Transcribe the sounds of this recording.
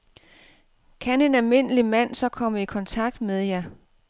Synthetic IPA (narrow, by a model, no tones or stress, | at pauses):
kʰæne̝nælme̝n̰əlimæn̰sɒ̽kʰɒ̽m̰əikʰɒ̽nt͡sʰɑ̈ɡ̥̚d̥meðˠjɑ